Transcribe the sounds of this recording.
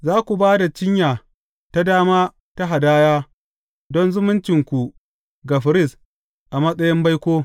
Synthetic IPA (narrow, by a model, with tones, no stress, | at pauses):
zaː˦kʷu˨baː˦da˨t͡ʃɪ˦ɲjaː˨ | ta˦daː˦maː˦ | ta˦ɦa˨daː˦jaː˦ | dɔ˦nzʊ˦mʊ˦nt͡ʃɪ˨ŋkʷu˨ | ɡa˨ɸɪ˨ɾɪ˦˨s | ʔa˨mɐ˦sʼɐ˦jɪ˦mba˦jkʷoː˦